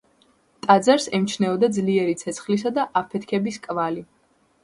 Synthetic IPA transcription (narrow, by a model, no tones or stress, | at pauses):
t̪ʼad̪zaɾsɛmt͡ʃʰnɛɔd̪ad̪zliɛɾit̪sʰɛt̪sʰχlis̬ad̪aʔapʰɛt̪ʰkʰɛbiskʼvali